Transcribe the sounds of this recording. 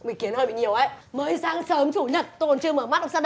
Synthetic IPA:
mï˨˩ŋ̟ki˨˦ənəː˧jɓḭ˧˨ɲi˨˩əwʔə˨˦jməː˨˦jsaː˨˦ŋsəː˨˦mt͡ɕu˧˩ɲə˨˩t̚t̪o˧˨˩nt͡ɕɨ˧əməː˧˩ma˦˥t̚ə˧ŋ͡msa˧ɗ

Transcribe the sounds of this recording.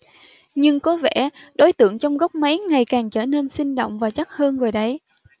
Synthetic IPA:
ɲɨ˧ŋko˨˦vɛ̰˧˩ɗo˨˦jt̪ɨ̰˧˨əŋt͡ɕɔ˧wŋ͡mɣɔ˦˥wk͡p̚ma˨˦jŋa˨˩jkaː˨˩ŋt͡ɕəː˧˩ne˧nsï˧ŋ̟ɗo̰˧˨wŋ͡mvaː˨˩t͡ɕa˦˥t̚həː˧nɣo˨˩jɗə˨˦j

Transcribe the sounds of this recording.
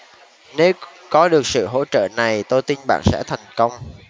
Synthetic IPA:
ne˨˦w | kɔ˨˦ɗɨ˨˩ək̚sɨ̰˧˨ɦo̰˧˥t͡ɕə̰ː˧˨na˨˩jt̪o˧jt̪i˧nɓa̰ː˧˨nsɛ̰˧˥t̪ʰa˨˩jŋ̟kə˧wŋ͡m

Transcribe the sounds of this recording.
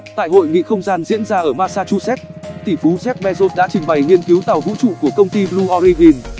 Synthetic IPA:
t̪a̰ː˧˨jɦo̰˧˨jŋḭ˧˨xə˧wŋ͡mzaː˧nzḭ˧˥ənzaː˧ʔəː˧˩maː˧saː˧t͡ɕṵ˧sɛ˦˥t̚t̪i˧˩fu˨˦zɛ˦˥p̚ɓɛ˧zo˦˥t̚ɗa̰ː˧˥t͡ɕï˨˩ŋ̟ɓa˨˩jŋi˧ənki˨˦wt̪a˨˩wvṵ˧˥t͡ɕṵ˧˨ku˧˩əkə˧wŋ͡mt̪i˧blu˧ʔɔ˧ɾi˧vi˧n

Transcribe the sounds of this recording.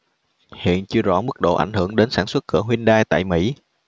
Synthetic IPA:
hḭ˧˨ənt͡ɕɨ˧əzɔ̰˧˥mɨ˦˥k̚ɗo̰˧˨ʔa̰˧˩jŋ̟hɨ˧˩əŋɗe˨˦nsaː˧˩nswə˦˥t̚kɨ̰˧˩əɦwi˧ənɗaː˧jt̪a̰ː˧˨jmḭ˧˥

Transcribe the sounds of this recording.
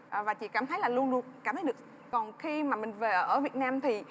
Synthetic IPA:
ʔvaː˨˩t͡ɕḭ˧˥kaː˧˩mt̪ʰə˨˦jlaː˨˩lu˧ənlu˧˩ək̚kaː˧˩mt̪ʰə˨˦ɗɨ˨˩ək̚ | kɔ˨˩nxi˧maː˨˩mï˨˩ŋ̟ve˨˩ʔʔəː˧˩vi˨˩ət̚naː˧mt̪ʰi˨˩

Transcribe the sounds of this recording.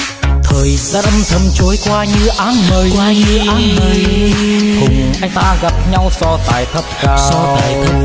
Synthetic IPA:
k̪ʰəː˨˩jsɾə˧mt̪ʰə˧mt͡ɕu˧əjkwaː˧ɲɨ˧əʔaː˧˥nmə˧jkwaː˧ɲɨ˧əaː˧nmə˨j | kʊ˨˩ŋʔa˧t̪aː˧ɣa˧˩t̚pʰɲa˧wsɔː˧t̪aː˨˩jt̪ʰə˥p̚kasɔː˧t̪a˨˩jt̪ʰə

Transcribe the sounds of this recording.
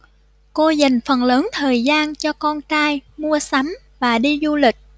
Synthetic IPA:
ko˧za˨˩ŋ̟fə˨˩nləː˨˦nt̪ʰəː˨˩jzaː˧nt͡ɕɔ˧kɔ˧nkaː˧jmu˧əsa˨˦m | vaː˨˩ɗi˧zu˧lï˨˩k̟̚

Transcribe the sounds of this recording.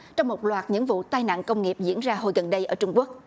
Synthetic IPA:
t͡ɕɔ˧wŋ͡mmo˨˩t̚lwaː˨˩t̚ɲɨ̰˧˥ŋvṵ˧˨t̪aː˧jna̰ː˧˨nkə˧wŋ͡mŋi˨˩əp̚zḭ˧˥ənzaː˧ɦo˧jɣə˨˩nɗə˧jʔəː˧˩t͡ɕʊ˧ŋ͡mku˦˥ək̚

